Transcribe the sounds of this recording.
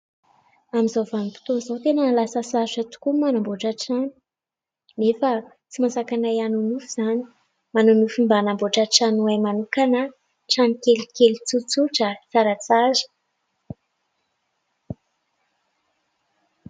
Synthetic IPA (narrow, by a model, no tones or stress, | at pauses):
amizowvanipi̥t̪onzowt̪enənlasəsazət̪u̥kumanamboʈ͡ʂaʈ͡ʂani̥ | nefə | t͡simasakanajanunufiz̥ani̥ | manunufimbanamboʈ͡ʂaʈ͡ʂanuajmanukanə | ʈ͡ʂanikelikelit͡sut͡suʈ͡ʂət͡saɾat͡sazə̥